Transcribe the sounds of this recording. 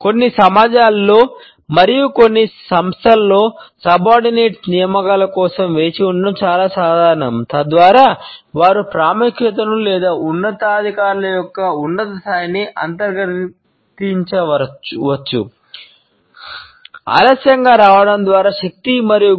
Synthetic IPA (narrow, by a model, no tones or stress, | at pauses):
ko̞nːisɐmaːd͡ʒaːlːo̞ː | mɐɾijuko̞nːisɐmst̪ʰɐlːo̞ːsɐbaːɾɖineːʈsnijɐmɐkɐlɐkɔːsɐmʋe̞ːt͡ʃiuɳɖɐmt͡ʃaːlaːsaːd̪ʱaːɾɐɳɐmt̪ɐd̪ʋaːɾaːʋaːɾupɾaːmɐkʃɐt̪ɐnulɛːd̪aːunːɐt̪ɐːd̪ʱikaːɾulɐjɔkːɐunːɐt̪ɐst̪aːjɐniʔɐ̰nt̪ɐɾɡɐɾ | t̪iɲt͡ʃɐʋɐt͡ʃːṵ | ɐ̰ːlɐsjɐŋɡaːɾaːʋɐɽɐmd̪ʋaːɾaːʃɐk̚t̪imɐɾiju